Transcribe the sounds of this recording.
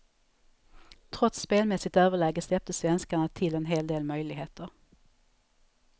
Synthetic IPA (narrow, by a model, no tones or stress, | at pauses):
t̪ʰɾɔt̪sːpeːlmɛsɪɡt̪øːvəɭɛːɡəslɛp̚t̪əsvɛnskaɳat̪ʰɪlɛnɦeːld̪eːlmœjlɪɡɦeːt̪ʰəɾ